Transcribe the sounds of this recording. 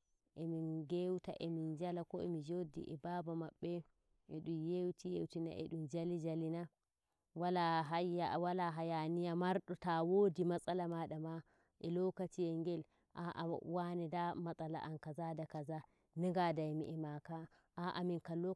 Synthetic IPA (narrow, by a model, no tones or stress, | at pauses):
ʔɛminɡewta̰ʔɛmind͡ʒalakɔɛ̰mid͡ʒodḭʔɛbabamaɓːɛ | ɛɗumjewtijewtina̰ʔɛ̰ɗumd͡ʒalid͡ʒalina | walaɦaawalaɦajanijamaɾɗɔtawodimasʼalamaɗama | ʔɛlɔkatiɛŋɡɛl | ʔaʔa̰wanɛdamasʼala̰ʔankazadakaza | niɡadajmiʔɛmaka | ʔaʔamiŋkalɔ